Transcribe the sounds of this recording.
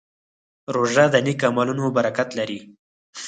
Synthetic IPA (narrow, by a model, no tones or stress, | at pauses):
ɾoʒad̪ənikamɑlunobaɾakat̪laɾi